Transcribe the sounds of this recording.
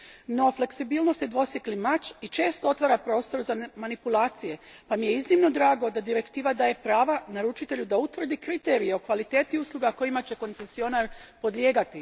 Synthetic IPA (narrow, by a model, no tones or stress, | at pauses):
no̞fle̞ksibiːlnost̪ed̪ʋo̞sjeklimat͡ɕit͡ʃe̞ːst̪oo̞t̪ʋaːɾapɾo̞ːst̪o̞ɾzamanipulaːt̪sije̞pamijeiznimno̞d̪ɾaːɡo̞d̪ad̪iɾe̞kt̪iːʋad̪aːje̞pɾaːʋanaɾut͡ʃit̪e̞ʎud̪aut̪ʋr̩d̪ikɾit̪e̞ːɾijeo̞kʋalit̪e̞ːt̪iuslˠuɡako̞jimat͡ɕe̞ko̞nt̪sesio̞naɾpo̞d̪ljeːɡat̪i